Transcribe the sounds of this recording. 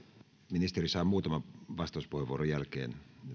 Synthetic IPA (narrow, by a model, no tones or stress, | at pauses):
minist̪erisɑːmuːt̪ɑmɑʋɑst̪ˑɑˑuspuheʋuoɾojælkḛːn